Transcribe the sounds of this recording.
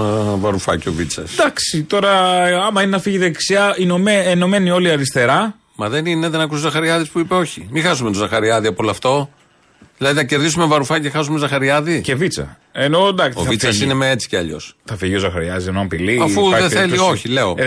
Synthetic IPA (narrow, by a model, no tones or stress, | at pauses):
vɐɾufɐcio̰vit͡sɐ̰sd̪ɐksit̪o̞ɾɐɐmɐinenɐfiʝiðeksiɐinomeeno̞me̞nio̞liɐɾist̪e̞ɾɐ | mɐðe̞nine̞ðe̞nɐkusozɐxɐɾiɐðispuipe̞o̞çimixɐsume̞t̪ozɐxɐɾiɐðiɐpoloɐft̪o̞ | ðilɐðiθɐce̞ɾðisumevɐɾufɐcexɐs̬umezɐxɐɾiɐðicevit͡sɐ̰ | eno̞d̪ɐksovit͡sɐsine̞meet͡si̥ceɐ̰ʎo̞̰sθɐfiʝio̞zɐxɐɾiɐzienoɐpiliɐfuɐðeθelio̞çile̞o̰